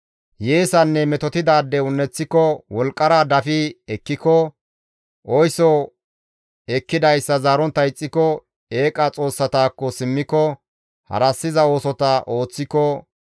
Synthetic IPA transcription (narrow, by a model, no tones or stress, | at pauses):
jeːsɐnːɛmɛt̪ɔt̪ɪd̪aːd̪ːɛʊnːɛt͡sːɪkɔwɔlkʼːɐɾad̪ɐfɪɛkːɪkɔ | ʔɔjsɔ | ɛkːɪd̪ɐjsːɐzaːɾɔnt̪ːɐɪt͡sʼːɪkɔ | eːkʼɐt͡sʼo̞ːsːɐt̪aːkːɔsɪmːɪkɔ | hɐ̰ɾɐsːɪzɐo̞ːsɔt̪ɐʔoːt͡sːɪkɔ